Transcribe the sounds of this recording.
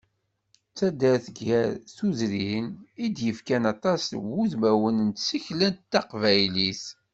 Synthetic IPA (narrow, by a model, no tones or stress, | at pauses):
t͡sːæd̪æɾθəɡæɾθuzɾinid̪jəfkænɑt̪ˤɑswuðmæwənənt̪siçlænt̪t̪ːɑqvæjlis